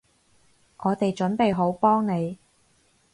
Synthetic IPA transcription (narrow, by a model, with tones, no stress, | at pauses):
ŋɔː˨˧t̪e˨jt͡ʃɵ˨˥npe˨jɦo˨˥wpɔː˥ŋne˨˧j